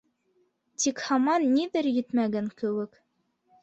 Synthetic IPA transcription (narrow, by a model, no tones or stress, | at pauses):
t̪ikhɑmɑnːiðɘɾjɘ̆t̪mæɡæŋkɘ̆wɘk